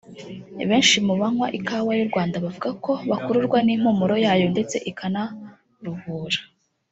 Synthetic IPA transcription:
βe̞ːnʃimuβaŋwaʔikawajuɾɡwaːndaβavuɡako̞βakuɾuɾɡwanim̥umuɾo̞jaːjo̞nde̞t͡se̞ʔikʰana | ɾuhuːɾa

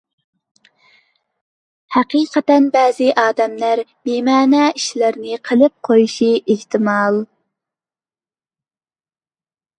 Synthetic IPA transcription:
hæqiqʰɛt̪ɛnbɛːzɪʔɑːd̪ɛmlæɾmemɛːnɛiʃlæɾnɪqʰəlˠɨp̚qʰojuʃiʔeht̪ʰɪmɑlˠ

